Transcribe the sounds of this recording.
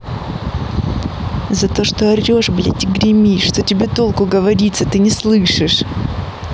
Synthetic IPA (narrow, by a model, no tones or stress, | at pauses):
zɐt̪o̞ʂt̪oɐrʲoʂblʲḛtʲɪɡɾʲɪmʲiʂt̪otʲɪbʲe̞t̪o̞lˠkʊɡəvɐɾʲit̪sət̪ɨnʲɪslˠɨʂɨʂ